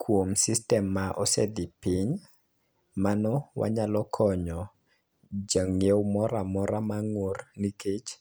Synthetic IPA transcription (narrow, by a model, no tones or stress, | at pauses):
kʰwomsistɛmːaʔɔsɛd̪ipiɲ | manɔwa̰ɲalɔkʰɔɲɔ | d͡ʒaŋewmɔɾamɔɾamaŋworniket͡ʃ